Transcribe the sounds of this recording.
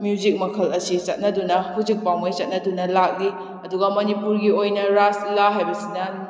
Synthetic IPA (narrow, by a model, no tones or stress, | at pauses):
mjud͡ʒik̚mɐkʰɐlɐsisɐt̚nɐdunɐhud͡ʒik̚pawmojt͡ʃɐt̚nɐdunɐlak̚li | ɐduɡɐmɐnipuɾɡiojnɐɾaslaɦajbɐsinɐ